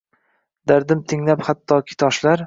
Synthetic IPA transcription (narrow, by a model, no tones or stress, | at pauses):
d̪aɾd̪ɪmt̪ʰɪŋlaphat̪ʰːɒkʲʰɪ̥t̪ʰɒʃlaɾ